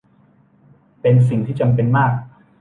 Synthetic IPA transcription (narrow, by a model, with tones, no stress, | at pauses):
pe˧nsi˨˩ŋt̪ʰiː˥˩t͡ɕa˧mpe˧nmaː˥˩k̚